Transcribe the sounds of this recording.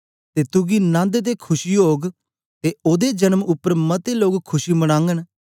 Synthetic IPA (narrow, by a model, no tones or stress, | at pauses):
t̪eːt̪ʊɡiːnãːnd̪ed̪eːkʰʊʃiːoːɡ | t̪eːoːd̪eːd͡ʒənəmʊpːəɾmət̪eːloːɡkʰːʊʃiːməɽ̃ãːŋɡən